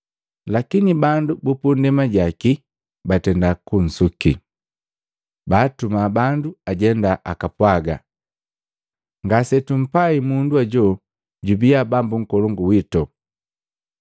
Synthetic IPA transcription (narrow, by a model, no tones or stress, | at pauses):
lakinibandubupundɛmaɟaki | batɛndakun̩sukḭ | baːtumaːbanduaɟɛndaʔakapwaɡa̰ | ŋɡasɛtum̩paimunduaɟɔ | ɟubiabambuŋ̩kɔlɔŋɡuwitɔ